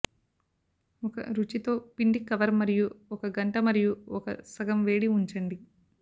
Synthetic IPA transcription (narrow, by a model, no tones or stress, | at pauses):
ɔkɐ̰ɾut͡ʃit̪o̞ːpiɳɖikɐʋɐɾmɐɾijuɔkɐɡɐɳʈɐmɐɾijuɔkɐ̰sɐɡɐmʋe̞ːɽiuɲt͡ʃɐɳɖi